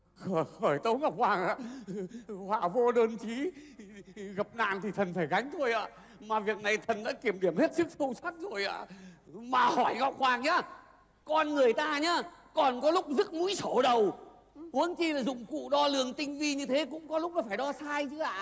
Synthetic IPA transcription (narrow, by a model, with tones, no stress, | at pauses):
xəː˧˩xəː˧˩jt̪ə˨˦wŋa˨˧˩wk͡p̚hwaː˨˩ŋʔa̰ː˧˨ | hwa̰ː˧˩vo˧ɗəː˧nt͡ɕi˨˦ | ɣə˨˩p̚na̰ː˧˨nt̪ʰi˨˩t̪ʰə˨˩nfaː˧˩jɣa˨˦jŋ̟t̪ʰo˧jʔa̰ː˧˨ | maː˨˩vi˨˩ək̚na˨˩jt̪ʰə˨˩nɗa̰ː˧˥ki˧˩əmɗi˧˩əmhe˦˥t̚sɨ˦˥k̚sə˧wsa˦˥t̚zo˨˩jʔa̰ː˧˨maː˨˩hɔ˧˩jŋɔ˨˩wk͡p̚hwaː˨˩ŋɲaː˨˧˦ | kɔ˧nŋɨ˨˩əjt̪aː˧ɲaː˧kɔ˨˩nkɔ˨˦lʊ˦˥k͡p̚zɨ˦˥t̚mṵ˧˥jso˧˩ɗə˨˩w | hu˨˦ənt͡ɕi˧laː˨˩zʊ̰˧˨ŋ͡mkṵ˧˨ɗɔ˧lɨ˨˩əŋt̪ï˧ŋ̟vi˧ɲɨ˧t̪ʰe˨˦kʊ̰˧˥ŋ͡mkɔ˨˦lʊ˦˥k͡p̚laː˨˩faː˧˩jɗɔ˧saː˧jt͡ɕɨ˨˦a̰ː˧˨